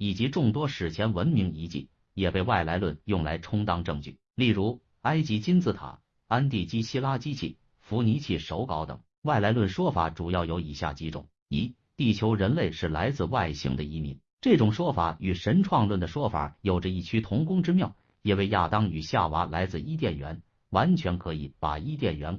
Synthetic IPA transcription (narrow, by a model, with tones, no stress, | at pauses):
i˨˩t͡ɕi˧˥ʈ͡ʂʊ˥˩ŋt̪wɔ˥ʂɻ̩˨˩t͡ɕʰjɛ˧˥nwə˧˥nmi˧˥ŋi˧˥t͡ɕḭ˥˩ | jɛ˨˩pe˥˧ɪwa˥˩ɪla˧˥ɪlwə˥˧njʊ˥˩ŋla̰˧˥ɪʈ͡ʂʰʊ˥ŋt̪ɑ˥ŋʈ͡ʂɤ˥˧ŋt͡ɕy̰˥˩ | li˥˩ɻu˧˥ | a˥ɪt͡ɕi˧˥t͡ɕi˥nt͡sɹ̩˥˩t̪ʰa̰˨˩˦ | a˥nt̪̬i˥˩t͡ɕi˥ɕi˥la˥t͡ɕi˥t͡ɕʰḭ˥˩ | fu˧˥ni˧˥t͡ɕʰi˥˩ʂo˧˥ʊkɑ˧˥ʊt̪ɤ̰˨˩˦ŋ | wa˥˩ɪla˧˥ɪlwə˥˩nʂwɔ˥fa̰˨˩˥ʈ͡ʂu˨˩jɑ˥˩ʊjo˧˥ʊi˨˩ɕja̰˥˩t͡ɕi˧˥ʈ͡ʂʊ̰˨˩˦ŋ | i˧˥ | t̪i˥˩t͡ɕʰjo˧˥ʊɻə˧˥nle˥˧ɪʂɻ̩˥˩la˧˥ɪt͡sɹ̩˥˧wa˥˩ɪɕḭ˧˥ŋd̪ə˧i˥mḭ˧˥˦n | ʈ͡ʂɤ˥˩ʈ͡ʂʊ˨˩ŋʂwɔ˥fa̰˨˩˥y˨˩ʂə˧˥nʈ͡ʂʰwɑ˥˧ŋlwə˥˩nd̪ə˩ʂwɔ˥fa̰˨˩˦jo˨˩ʊʈ͡ʂə˦i˥˩t͡ɕʰy˥t̪ʰʊ˧˥ŋkʊ˥ŋʈ͡ʂɻ̩˥mjɑ˥˩ʊ | jɛ˨˩we˥˧ɪja˥˩t̪ɑ˥ŋy˨˩ɕja˥˩wa˧˥la˧˥ɪt͡sɹ̩˥˧i˥t̪̬jɛ˥˩nɥɛ̰˧˥n | wa˧˥nt͡ɕʰɥɛ˧˥nkʰɤ˧˥i˨˧˥pa̰˨˩i˥t̪̬jɛ˥˩nɥɛ˧˥n